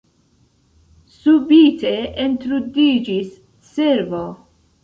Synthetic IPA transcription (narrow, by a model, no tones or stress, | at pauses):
subiteent̪ɾudid͡ʒisː | eɾvo